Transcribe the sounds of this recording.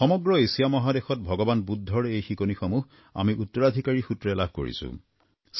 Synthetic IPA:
xɔmɔɡɹɔesijamɔɦadexɔt̚bʱɔɡɔbanbudʱːɔɹejxikonixɔmuɦ | a̰miʔutːɔɹad̪ʱikaɹixutɹɛlabʱko̰ɹḭsʊ̰̃ | s

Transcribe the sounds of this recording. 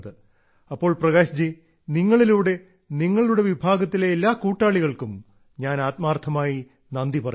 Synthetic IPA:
ðɨ | ɐpːo̞ːɭprɐɣaːɕɐd͡ʑi | niŋːɐɭiluːɽe̞ | niŋːɐɭiluɽe̞ʋibʱaːɡɐt̪ːileːlːaːkuːʈːaːɭiɣɐɭkum | ɲaːnaːt̪̚maːrt̪ʰɐmaːji | nɐnd̪ipɐrɐ

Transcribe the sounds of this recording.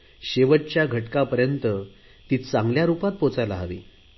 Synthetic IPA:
ɕeʋəʈ̚t͡ɕjaɡʱəʈkapəɾjənt̪ə | t̪iːt̪t͡saŋɡljaɾupat̪̚pot͡sajlaɦaʋḭː

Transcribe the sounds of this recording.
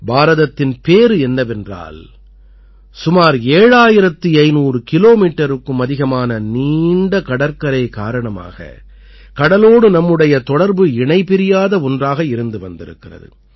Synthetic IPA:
baːɾɐðɐt̪ːɪnpeːɾɯɛnːɐʋɛndra̰ːl | sʊmaːɾeːɻaːjɪɾɐt̪ːɯɐɪnuːrɯkɪloːmiːʈːɐɾɯkːɯmɐðɪɣɐmaːnɐniːɳɖɐkɐɽɐɾkɐɾɐɪkaːɾɐɳɐma̰ːɣɐ̰ | kɐɽɐloːɽɯnɐmːɯɽɐjɐt̪ɔɽɐɾbɯɪɳɐɪpɪɾɪjaːðɐɔndraːɣɐɪɾɯnd̪ɯʋɐnd̪ɪɾɯ̰kːɪrɐ̰ðɯ̰

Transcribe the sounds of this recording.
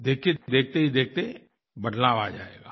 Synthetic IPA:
d̪eːkʰed̪eːk̚ʰt̪eɦid̪eːk̚ʰt̪e | bɐd̪laːʋad͡ʒaːḛːɡaː

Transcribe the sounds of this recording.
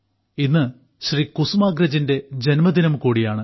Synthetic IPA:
inːɨ | ɕrikusumaːɡɾɐd͡ʑinde̞d͡ʑenmɐd̪inɐmkuːɽijaːɳɨ

